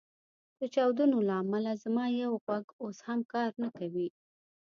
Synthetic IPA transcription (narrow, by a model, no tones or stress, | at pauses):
d̪̥ət͡ʃɑwd̪unolaːmalazamɑjawɣwaɡoshamkɑɾnakawi